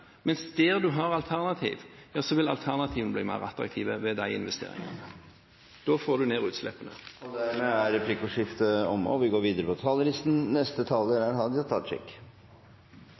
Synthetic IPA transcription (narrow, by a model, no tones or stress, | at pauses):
mɛnsd̪eːʁd̪ʉɦɑːʁɑlt̪ʰæʁnɑt̪ʰḭːʋjɑːsɔʋɪlɑ̰lt̪ʰæʁnɑt̪ʰiːʋnəb̪liːmæ̰ɪʁɑt̪ɾɑ̰k̚t̪ʰiːʋəʋɛd̪æɪɪ̰nʋɛst̪ḛːɾɪ̰ŋɑ̰ | d̪̥oːfoːd̪ʉneːʁʉːt̪slɛ̰pːənə̰ɔd̪æɾmɛæɾɾɛpʰlɪkːʊʂɪft̪əɔmɔ̰ʋɪɡoːɾʋiːd̪əɾəpʰɔt̪ʰɑːləɾɪst̪n̩nɛst̪ət̪ʰɑːləɾæɾɦɑd̪ɑt̪ʰɑt͡ʃɛ̰kː